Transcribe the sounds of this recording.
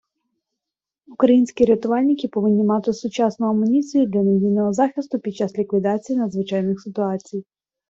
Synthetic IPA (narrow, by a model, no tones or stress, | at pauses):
ukɾɐjinʲsʲkʲiɾʲet̪ʊʋɑlʲnʲɪkʲɪpɔʋɪnʲːimɑt̪ɪsʊt͡ʃɑsnʊɐmʊnʲit͡sʲijʊd̪lʲɐnezʲijnɔɦɔzɑxʲɪst̪ʊpʲid̪̚t͡ʃɑslʲikʋʲid̪ɑt͡sʲijinɐd̪zʋɪt͡ʃɑjnɪxsɪt̪ʊɑt͡sʲij